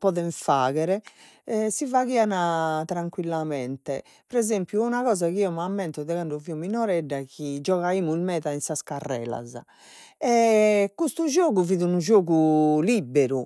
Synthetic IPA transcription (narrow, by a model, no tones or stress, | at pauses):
pɔðɛɱfaːɣɛɾɛ | sivaɣiːanat̪ɾaŋkwilːamɛnt̪ɛ | pɾɛzempjuunaɣɔːzakiiːɔmamːɛnt̪ɔðɛkaɳɖɔviuminɔɾɛɖːakid͡ʒɔɣaiːmuilmɛːðainsaskarːɛ̰ːla̰za̰ | ɛkust̪ud͡ʒoːɣuviːðunud͡ʒoːɣulibːeɾu